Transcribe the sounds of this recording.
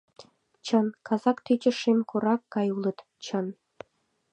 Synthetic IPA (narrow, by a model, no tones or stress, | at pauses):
t͡ɕənkɑzɑkt̪yt͡ɕə̆ʃemkʰoɾɑkːɑjulə̆t̪ | t͡ɕə̆n